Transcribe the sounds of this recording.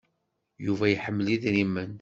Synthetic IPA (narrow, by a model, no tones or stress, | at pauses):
juvæjiħəmːliðɾimːən